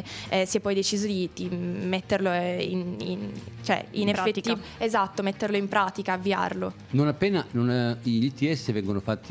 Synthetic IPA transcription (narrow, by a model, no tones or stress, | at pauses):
ɛsɛpːɔjd̪et͡ʃiːzod̪it̪imet̪ːerloinḭnt͡ʃoɛ̰inefet̪ːiezat̪ːomet̪ːerloimpɾaːt̪ikaːvːia̰rlo | nonapːeːnanoniʎit̪iɛsːevɛŋɡonofat̪ːi